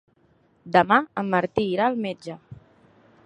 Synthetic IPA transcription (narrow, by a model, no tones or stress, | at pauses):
d̪əmaəmːəɾt̪iːɾaəlˠmed͡ʒə